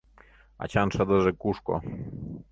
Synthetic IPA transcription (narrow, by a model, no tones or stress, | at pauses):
a̰t͡ɕanʂad̪ɔʐɛkuʂkɔ̰